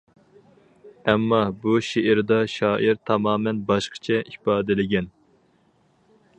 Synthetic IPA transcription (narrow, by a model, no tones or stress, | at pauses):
ɛmːɑbuʃeʔɪɾd̪ɑʃɑːʔiɾt̪ʰɑmɑːmɛnbɑʃqʰə̥t͡ʃʰɛʔipɑːd̪ɪlɪɡʲɛn